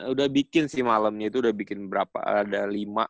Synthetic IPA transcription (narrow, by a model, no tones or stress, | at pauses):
udahbikɪnsɪhmaləmɲait̪uːdahbikɪnbəɾapa̰ːdalima̰